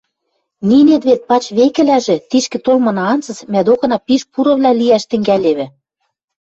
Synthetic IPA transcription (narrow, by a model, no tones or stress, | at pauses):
ninet̪βet̪̚pɑt͡ɕβekɘ̆læʒĕt̪iʃkɘ̆t̪olmɤ̆nɑɑnt͡sɤ̆t͡smʲæd̪okɤ̆nɑpiʃpuɾɤ̆βlʲælijæʃt̪ɘ̆ŋɡæleβɘ̆